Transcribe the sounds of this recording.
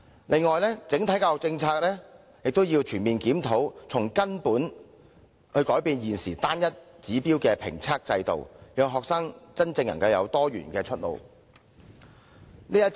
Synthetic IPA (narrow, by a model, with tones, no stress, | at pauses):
lʔɪ˨ŋːɔː˨˩jlɛː˥t͡sɪ˨˥ŋt̪ʰɐ˨˥kaː˧wɔ˨k̚t͡sɪ˧ŋt͡sʰaː˧k̚lɛː˥ | jɪ˨k̚t̪o˥wjiː˧wt͡ʃʰyː˨˩nmiː˨˩nkiː˨˥mt̪ʰo˨˥wt͡sʰʊ˨˩ŋkɐ˥npuː˨˥n | hɵ˧kɔː˨˥jpiː˧njiː˨˩nsiː˨˩t̪aː˥njɐ˥t̚ | t͡siː˨˥piː˥wkɛː˧pʰɪ̰˨˩ŋt͡sʰaː˥k̚t͡sɐ˧jt̪o̰˨wjœː˨ŋɦɔː˨k̚sɐː˥ŋt͡sɐ˥nt͡sɪ˧ŋjɐ̰˨˩ŋkɐ˧wjɐ̰˨˧wt̪ɔː˥jy̰ː˨˩nkɛː˧t͡ʃʰɵ˥t̚lo̰˨w | niː˥jɐ˥